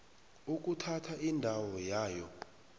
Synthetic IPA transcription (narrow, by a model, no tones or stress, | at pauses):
uk̬ʼutʰatʰaʔindʱawɔjaːjɔ